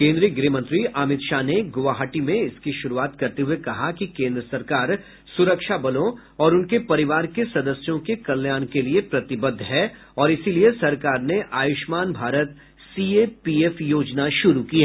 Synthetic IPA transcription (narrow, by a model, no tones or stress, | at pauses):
kẽːnd̪ɾiəɡɾiːmə̃nt̪ɾiʔaːmɪt̪ʃaːneɡoʋaːɦaʈimẽɪskiʃʊɾuaːt̪kɐɾt̪eɦuekɐɦakikẽːnd̪ɾəsɐɾkaːɾ | sʊɾəkʃabɐlõ | ɔːɾʊnkepɐɾɪʋaːɾkesɐd̪əsjõkekɐljaːnkeliepɾɐt̪ɪbəd̪ʱːɦɛː | ɔːɾɪsiliesɐɾkaːɾneʔaːjʊʃmaːnbʱaːɾət̪ | sieːpiːeːfjoːd͡ʒnaʃʊɾukiɦɛ